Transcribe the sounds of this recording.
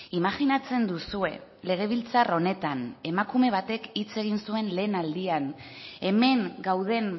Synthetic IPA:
imaɣinat͡se̞nd̪usue̞̰le̞ɣ̞e̞β̞ilt͡saro̞ne̞t̪ane̞makume̞β̞at̪e̞kit͡se̞ɣ̞insue̞nle̞ːnald̪ian | e̞me̞ŋɡawð̞e̞n

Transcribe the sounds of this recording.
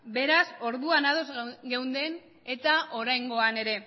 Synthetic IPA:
be̞ɾaso̞ɾðuanaðo̞zɡe̞wnd̪e̞n | e̞t̪aʔo̞ɾajŋɡo̞ane̞ɾe̞

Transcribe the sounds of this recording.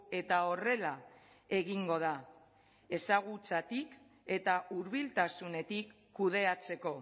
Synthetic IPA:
e̞t̪ao̞re̞la | e̞ɣiŋɡo̞ð̞a | e̞saɣ̞ut͡sat̪ik | e̞t̪auɾβilt̪asune̞t̪ikːuð̞e̞at͡se̞ko̞

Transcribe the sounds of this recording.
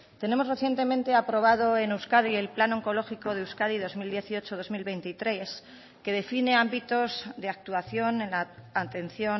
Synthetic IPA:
t̪e̞ne̞mo̞zre̞θje̞nt̪e̞mẽnt̪e̞apɾo̞β̞að̞o̞enewskað̞ie̞lplanoŋko̞lo̞xiko̞ð̞euwskaðiðo̞zmild̪je̞θiot͡ʃo̞ðo̞zmilβejnt̪it̪ɾe̞s | ke̞ð̞e̞fine̞ambit̪o̞zðe̞ak̚t̪uaθjo̞ne̞nlaːt̪e̞nθjo̞

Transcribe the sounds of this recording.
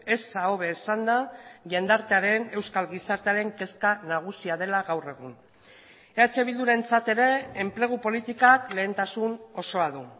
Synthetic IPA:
e̞saoβe̞ːsand̪aʝend̪aɾt̪e̞aɾe̞ne̞wskalɣisaɾt̪eaɾe̞ŋke̞skanaɣ̞usiaðe̞laɣawre̞ɣ̞un | eat͡ʃe̞β̞ild̪uɾe̞nt͡sat̪e̞ɾe̞ːmple̞ɣ̞upo̞lit̪ikakle̞ːnt̪asuno̞so̞aðu

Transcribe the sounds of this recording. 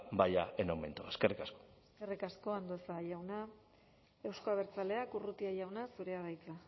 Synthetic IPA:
bajaenawme̞̰nt̪oeskerikasko̥eskerikasko̞and̪osajawna | e̞wsko̞aβe̞ɾt͡sale̞akurut̪iaʎawnasuɾe̞aɾajt͡sa

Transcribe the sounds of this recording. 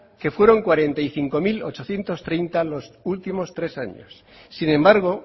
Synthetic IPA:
ke̞fwe̞ɾo̞ŋkwaɾe̞nt̪ajθiŋko̞milot͡ʃo̞θje̞nt̪o̞st̪ɾejnt̪alo̞sult̪imo̞st̪ɾe̞sa̰ɲo̰sː | inẽ̞mbaɾɣ̞o̞

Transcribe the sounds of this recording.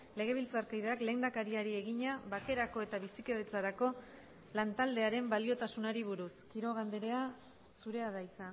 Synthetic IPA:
le̞ɣ̞e̞β̞ilt͡saɾkajðeakle̞ːnd̪akaɾiaɾie̞ɣiɲaβake̞ɾako̞e̞t̪aβisike̞ðet͡saɾako̞ | lant̪ald̪e̞aɾe̞mbalio̞t̪asunaɾiβ̞uɾuskiɾo̞ɣ̞and̪e̞ɾe̞a | suɾe̞aðajt͡sa

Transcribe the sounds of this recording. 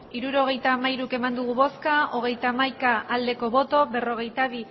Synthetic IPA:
iɾuɾo̞ɣ̞e̞jt̪aːmaiɾuke̞mand̪uɣ̞uβo̞skao̞ɣ̞e̞jt̪aːmajkaːld̪e̞ko̞βo̞t̪o̞be̞ro̞ɣ̞ejt̪aβi

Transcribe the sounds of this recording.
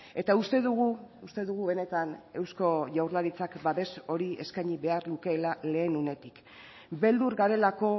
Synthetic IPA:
e̞t̪aust̪e̞ðuɣuust̪e̞ðuɣ̞uβe̞ne̞t̪ane̞wsko̞ʝawɾlaɾit͡sakbaðe̞so̞ɾie̞̰skajɲiβe̞aɾluke̞ːlale̞ːnune̞t̪ik | be̞ld̪uɾɣaɾe̞lako̞

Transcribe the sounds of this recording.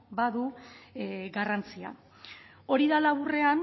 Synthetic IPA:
baðu | ɡarant͡sia̰ | o̞ɾiðalaβure̞an

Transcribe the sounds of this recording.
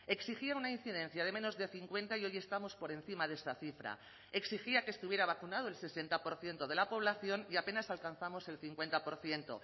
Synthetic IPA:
e̞ksixiaunain̟θið̞e̞nθjað̞e̞mẽ̞no̞zðe̞θiŋkwẽ̞nt̪aio̞jest̪amo̞spo̞ɾẽ̞n̟θimaðe̞st̪aθifɾa̰ | e̞ksixiakest̪uβje̞ɾaβ̞akunað̞oelse̞se̞nt̪apo̞ɾθje̞nt̪o̞ð̞e̞lapo̞β̞laθjo̞niape̞nasalkanθamo̞se̞lθiŋkwe̞nt̪apo̞ɾθje̞nt̪o̞̰

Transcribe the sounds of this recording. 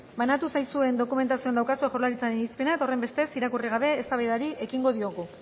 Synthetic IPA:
banat̪usajsue̞nd̪o̞kume̞nt̪asioand̪awkasuxo̞ɾlaɾit͡saɾenispe̞nat̪o̞re̞mbe̞st̪e̞siɾakuriɣaβe̞ːst̪aβejðaɾiʔe̞kiŋɡo̞ð̞io̞ɣu

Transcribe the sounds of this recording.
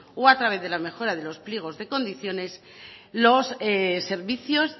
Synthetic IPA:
oat̪ɾaβ̞e̞θðe̞lame̞xo̞ɾaðe̞lo̞spljeɣ̞o̞zðe̞ko̞nd̪iθjo̞ne̞s | lo̞sese̞ɾβiθjo̞s

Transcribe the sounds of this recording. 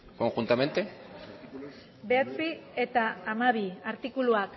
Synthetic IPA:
ko̞ŋxunt̪ame̞nt̪e | be̞at͡sie̞t̪aːmaβ̞iaɾt̪ikuluak

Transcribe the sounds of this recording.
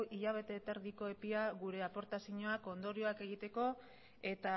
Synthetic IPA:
iʎaβ̞e̞t̪e̞ːt̪eɾðiko̞e̞piaɣuɾe̞apo̞ɾt̪asiɲoako̞nd̪o̞ɾio̞ake̞ɣ̞it̪e̞ko̞ | e̞t̪a

